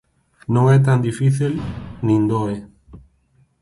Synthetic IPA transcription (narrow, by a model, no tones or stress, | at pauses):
nõŋɛt̪̬and̪ifiθilnĩnd̪oe